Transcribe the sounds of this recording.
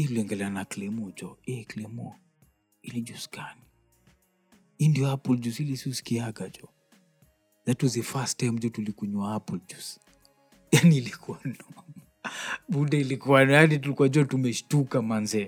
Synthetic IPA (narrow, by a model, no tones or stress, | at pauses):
ituliɔŋɡɛlɛanakilɛmɔd͡ʒɔɛklɛmɔ | ilid͡ʒuskani | indijɔapuld͡ʒusilisisi̥kiaɡad͡ʒɔ | zatuzifastːajm̩d͡ʒɔtulikuɲuaapuld͡ʒus | janiːlikʰuanɔ | ɓundɛilikuajanit̬ulikuad͡ʒɔtumɛʃtukamanzɛ